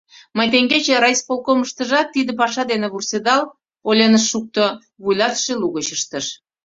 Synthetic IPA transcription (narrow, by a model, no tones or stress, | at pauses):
məjt̪eŋɡet͡ɕeɾɑispolˠkoməʃt̪əʒɑt̪ːid̪əp̬ɑʃɑd̪eneβursed̪ɑl | olʲenəʃːuk̚t̪o | βujlɑt̪ʃeluɣət͡ɕəʃt̪əʃ